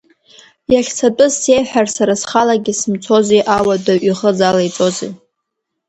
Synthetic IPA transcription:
jaχʲt͡sʰatʼɨzse̞jħᶣarsaɾasχalaɡʲɪsɨmt͡sʰo̞zeʔawadaɥiχəd͡zalajt͡sʼo̞zḛ

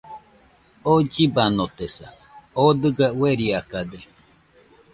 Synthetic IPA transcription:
od͡ʒibanot̪esa̰ | od̪ɨɡaweɾiakad̪e

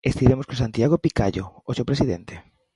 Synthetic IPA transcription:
est̪iɾemoskosant̪iaɣ̞opika̰ʎo̰osopɾesiðḛnt̪e̥

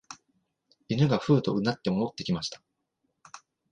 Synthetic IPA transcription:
inɯ̟ɡaɸɯ̟ːt̪o̞ɯ̟nːat̪ːe̞mo̞not̪ːe̞kʲimaɕi̥t̪ḁ

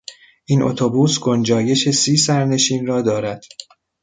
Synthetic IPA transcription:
ʔiːnʔo̰t̪ʰo̞buːsɡo̞nd͡ʒɒːje̞ʃe̞siːsæɾne̞ʃiːnrɒːd̪ɒːɾæd̪̥

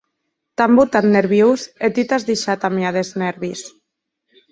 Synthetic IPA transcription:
t̪ambut̪at̪neɾβjuwset̪it̪azðiʃat̪amjaðeznɛɾβis

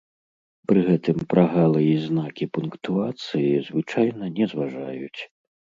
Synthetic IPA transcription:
pɾɨɣɛt̪ɨmpɾaɣalˠɨjiznakʲipunkt̪uat̪sɨjizvɨt͡ʂajnɐnʲɛzvaʐajut͡sʲ

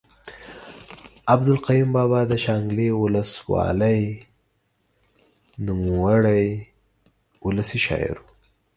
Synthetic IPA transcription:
abd̪ʊlqajumbɑbɑd̪əʃɑŋɡlewʊləswɑ̰ləj | numawaɽəj | ʊləsiʃɑ̰ɪ̰ɾu

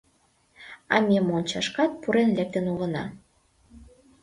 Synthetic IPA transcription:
ɑ̰mʲemonʲt͡ɕɑʃkɑt̪̚puɾenlek̚t̪ə̆nuɣə̆nɑ̰

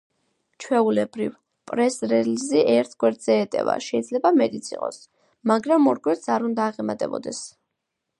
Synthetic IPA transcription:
t͡ʃʰwɛulɛbɾḭv | pʼɾɛsɾɛliziʔɛɾt̪ʰɡ̥wɛɾd̪z̥ɛːt̪ʼɛ̰va̰ʃɛid̪zlɛbamɛt̪ʼit̪sʰiqʼɔ̰s | maɡɾamɔɾɡwɛɾt̪sʰaɾund̪aːʁɛmat̪ʼɛ̰bɔ̰d̪ɛs

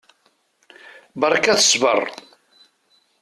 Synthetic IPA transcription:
bəɾˤkæθə̥svə̰rˤ

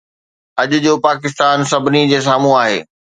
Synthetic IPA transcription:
ɐʄʊd͡ʑoːpaːkɪs̬t̪aːnsɐbʱɪnid͡ʑeːs̬aːmũaːɦḛː

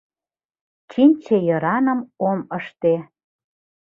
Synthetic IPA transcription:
t͡ɕinʲt͡ɕejɤ̆ɾɑnə̆moməʃt̪e

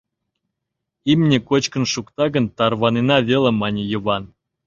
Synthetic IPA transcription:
imnʲĕkot͡ɕkə̆nʃukt̪ɑɡə̆nt̪ɑrβɑnenɑvʲelə̆mɑnʲejə̆βɑn

